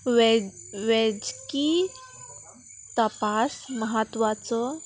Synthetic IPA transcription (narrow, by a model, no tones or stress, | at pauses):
ʋeʋed͡ʑki | t̪əpasməɦət̪ʋat͡sɔ